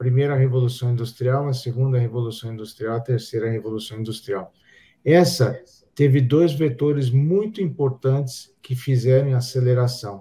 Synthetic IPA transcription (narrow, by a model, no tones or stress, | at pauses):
ɐpɾimejɾɐɦevolusɐ̃w̃ĩnd̪ust̪ɾiawɐseɡũnd̪ɐhevolusɐ̃w̃ĩnd̪ust̪ɾiawɐt̪eɾsejɾɐhevolusɐ̃w̃ĩnd̪ust̪ɾiaw | ɛ̃sɐ | t̪evɪd̪ojzvet̪oɾɪzmũj̃t̪ʊĩpoɾt̪ɐ̃nt͡ʃ̪ɪ̥skɪfizɛɾɐ̃w̃aseleɾasɐ̃w̃